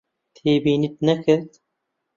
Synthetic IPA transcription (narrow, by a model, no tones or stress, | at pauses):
t̪ʰeːbiːnit̪̚nɐkɨɾt̪